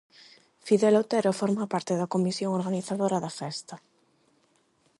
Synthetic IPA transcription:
fiðelot̪eɾofoɾmapaɾt̪eðakomisjoŋoɾɣaniθaðoɾaðafɛst̪a

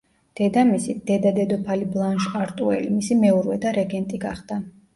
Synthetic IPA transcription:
d̪̥ɛd̪amisid̪̥ɛd̪ad̪ɛd̪ɔpʰaliblˠanʃaɾt̪ʼuɛ̰limisimɛuɾwɛd̪aɾɛɡɛnt̪ʼiɡaχd̪̥a

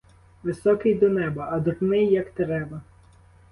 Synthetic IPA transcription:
ʋɪsɔkɪjd̪ɔnɛbɐɐd̪ʊrnɪjːɐkt̪ɾɛbɐ

